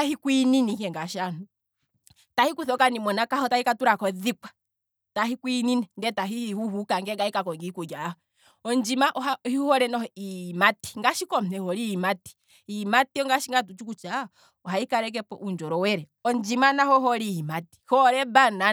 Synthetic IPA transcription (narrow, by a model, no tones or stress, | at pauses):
ahikwininihɛŋɡaʃanu | tahikuθɔkanimɔnakahɔtahikatuɾakɔðikwḁ | taɦikwininɛndɛtaɦiihuhukaŋɡɛɡaikakɔŋɡikuɡaɔ | ɔnd͡ʒimaʔɔahihuhɔɾɛnɔimati̥ŋɡaʃikɔm̩ɛhɔɾimati̥ | imatiɔŋɡaʃiŋɡatut͡ʃukut͡ʃa | ɔɦaikaɾɛk̬ɛpɔʔund͡ʒɔɾɔwɛɾɛɔnd͡ʒimanahɔɦɔɾimati̥hɔɾɛbana